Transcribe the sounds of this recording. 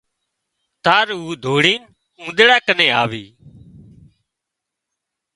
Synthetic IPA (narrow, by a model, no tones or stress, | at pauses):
t̪aːɾuːd̪ʱoːɽiːn | ũːd̪ɽaːkəneːaːʋiː